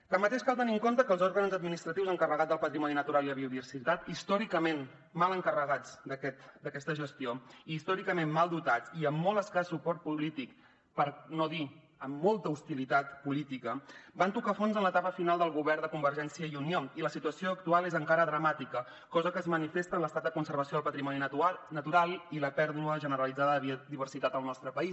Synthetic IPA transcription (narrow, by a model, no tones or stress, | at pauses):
t̪əmːət̪eʃkalˠt̪əniŋkont̪əkəːlˠzɔɾɣənzəd̪̚minist̪ɾət̪iwzəŋkərəɣad͡zd̪əlˠpət̪ɾimɔninət̪uɾalˠiðəβiuðiβəɾsit̪at̪ist̪ɔɾikəmen | maləŋkərəɣad͡zd̪əkɛt̪d̪əkɛst̪əʒəst̪ioiːst̪ɔɾikəmenmalˠd̪ut̪at͡siəmːɔlˠəskassːupɔɾt̪̚pulit̪ik | pəɾnoði | əmːɔlˠt̪əust̪ilit̪at̪pulit̪ikəbant̪ukafonzənlət̪apəfinalˠd̪əlˠɣuβɛrd̪əkumbəɾʒɛnsiəiunioiləsit̪uəsioəkt̪ualˠezəŋkaɾəðɾəmat̪ikə | kɔzəkəːzmənifest̪ənləst̪at̪̚d̪əkunsəɾβ̞əsijoəlˠpət̪ɾimɔninət̪uɾalˠiləpɛɾðuəʒənəɾəlid͡zaðəðd̪iβ̞ərsit̪at̪əlˠnɔst̪ɾəpəis